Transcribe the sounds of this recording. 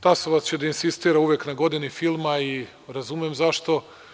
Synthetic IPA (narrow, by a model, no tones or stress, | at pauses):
t̪asoʋast͡ɕed̪ainsist̪iːɾauʋjeknaɡo̞d̪inifilˠmai | ɾazumjemzaʃt̪o̞